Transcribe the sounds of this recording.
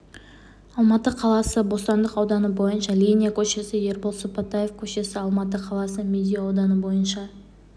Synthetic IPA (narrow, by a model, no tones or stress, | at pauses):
ɑlˠmɑt̪əqʰɑlˠɑsəbo̞st̪ɑnd̪əqɑwd̪ɑnəbo̞jənʃɑlʲijnʲijakʲʰɵʃe̞sɪje̞ɾbolˠsopɑt̪ajefkʲʰɵʃe̞sɪɑlˠmɑt̪̬əqʰɑlˠɑsəmʲed̪ʲijɑwd̪ɑnəbo̞jənʃɑ